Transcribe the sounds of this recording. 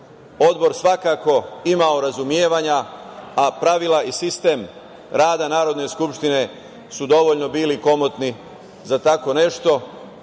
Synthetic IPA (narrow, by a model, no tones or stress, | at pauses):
o̞d̪bo̞ɾsʋakako̞imao̞ɾazumjeːʋaɲaː | pɾaʋilaisist̪e̞m | ɾaːd̪anaːɾo̞d̪ne̞skupʃt̪ine̞ | sud̪o̞ʋoʎno̞biːliko̞mot̪ni | zat̪ako̞ne̞ʃt̪o̞